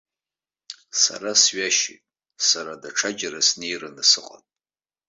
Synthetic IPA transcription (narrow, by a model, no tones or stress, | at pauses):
sa̰ɾasɥaʃḭtʼ | saɾadaʈ͡ʂʰad͡ʒaɾasne̞jranɨsɨqʼa̰tʼ